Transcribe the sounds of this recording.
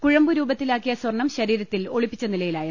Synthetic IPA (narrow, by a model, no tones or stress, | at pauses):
kuɻɐmbuɾuːbɐt̪ːilaːkːijɐswɐrɳɐmɕɐɾiːɾɐt̪ːilo̞ɭipːit͡ɕːɐnilɐjilaːjɐ